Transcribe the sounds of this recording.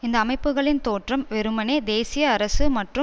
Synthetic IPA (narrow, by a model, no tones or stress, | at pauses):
ɪnd̪ɐːmɐɪpːɯɣɐɭɪnt̪oːʈrɐmʋɛɾɯmɐneːd̪eːsɪjɐːɾɐsɯmɐʈrɯ